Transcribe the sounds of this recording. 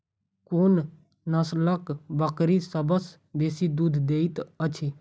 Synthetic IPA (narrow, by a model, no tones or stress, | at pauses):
kon | nəsləkbəkɾisəbəs | beːsid̪uːd̪ʱd̪eːit̪ət͡ʃʰi